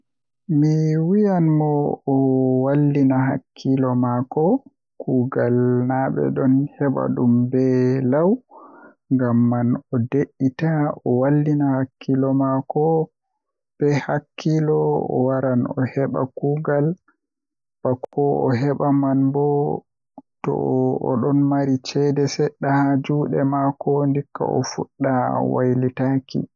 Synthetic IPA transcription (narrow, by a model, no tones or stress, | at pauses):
miwijanmɔː | walːinaɦakʰːilɔmakɔ | kuːɡalnaɓɛ̰ɗɔnhɛɓa̰ɗumbɛlaw | ŋɡamːanɔdeʔːitaɔwalːinahakʰːilɔmakɔ | b̥ɛhakːilɔɔ̰waɾanɔ̰hɛɓa̰kuːɡal | bakɔɔɦɛɓamanbɔ | tɔ̰ɔ̰ɗɔnmaɾit͡ʃɛdɛsɛɗːahad͡ʒuɗɛmakɔndikːa̰ʔɔ̰fuɗːawa̰jlitakḭ